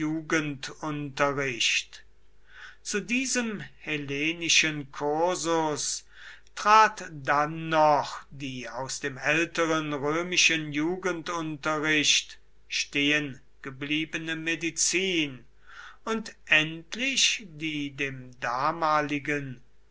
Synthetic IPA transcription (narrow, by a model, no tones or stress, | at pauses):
uːɡəntʊntɐʁɪʃt | t͡sudiːzəmheleːnɪʃənkʰʊɐzʊs | tʁ̥aːtd̥anːɔχd̥iːaʊsd̥eːmɛltəʁənʁøːmɪʃənjuːɡəntʊntɐʁɪʃt | ʃteːən | ɡ̥əbliːbənəmedit͡siːn | ʊntʔɛntlɪʃdiːdeːmdaːmaːlɪɡən